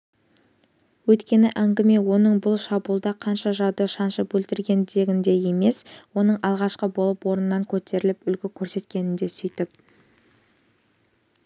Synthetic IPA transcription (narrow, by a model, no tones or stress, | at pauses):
wɵjt̪kʲe̞nɪʔæŋɡʲɪme̞wo̞nəɴbʊlˠʃɑbulˠd̪ɑqʰɑnʃɑʒɑwd̪əʃɑnʃəp̚bɵlt̪ɪɾɡʲe̞nd̪e̞ɡʲɪnd̪e̞je̞me̞swo̞nəɴɑlˠʁɑʃqəbo̞lˠəpwo̞ɾənːɑŋkʲʰɵt̪e̞ɾɪlɪpʏlɡʲɪkʲʰɵɾse̞t̪kʲe̞nɪnd̪e̞sʏjt̪ɪp̚